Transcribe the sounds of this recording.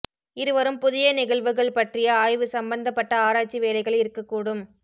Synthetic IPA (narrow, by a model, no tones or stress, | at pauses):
ɪɾɯʋɐɾɯmpʊðɪjɐnɪɣɐɭʋɯɣɐɭpɐʈrɪjɐaːjʋɯsɐmbɐnd̪ɐpːɐʈːɐaːɾaːt͡ʃiʋeːlɐɪɣɐɭɪɾɯkːɐkːuːɽɯm